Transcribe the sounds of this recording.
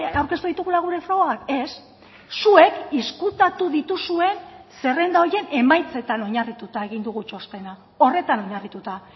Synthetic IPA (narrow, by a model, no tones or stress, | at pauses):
awɾke̞st̪uðit̪uɣ̞ulaɣ̞uɾe̞fɾo̞ɣɣake̞sː | ue̞kiskut̪at̪uðit̪usue̞nse̞re̞nd̪aoɾje̞ne̞majt͡se̞t̪ano̞ɲarit̪ut̪ae̞ɣ̞ind̪uɣut͡ʃo̞st̪e̞na | o̞re̞t̪anoɲarit̪ut̪a